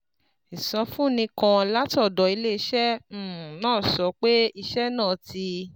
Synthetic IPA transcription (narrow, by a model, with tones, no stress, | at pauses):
i˨sã˧fũ˦˨nĩ˧kã˧la˦tɔ˦˨dɔ˨i˧le˦i˧˦ʃɛ̃˦˨nãː˦˨sɔ˨˦k͡pe˦i˧ʃɛ˦nãː˦˨ti˧